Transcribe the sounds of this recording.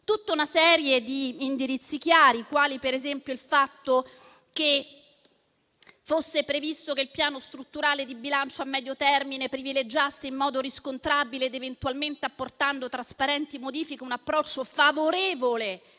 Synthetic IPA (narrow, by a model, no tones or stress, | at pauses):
t̪ut̪ːaunasɛːɾjed̪iːnd̪iɾit̪sːik̟jaːɾikwaːlipeɾezɛmpjoilfat̪ːo | ke | fosːepɾevist̪okeilpjaːnost̪ɾut̪ːuɾaːled̪ibilant͡ʃoamːɛːd̪jot̪ɛrminepɾiviled͡ʒasːeimːɔːd̪oɾiskont̪ɾabileːd̪event̪ualment̪eapːort̪and̪ot̪ɾaspaɾɛnt̪imod̪iːfikeunapːɾɔt͡ʃːofavoɾeːvole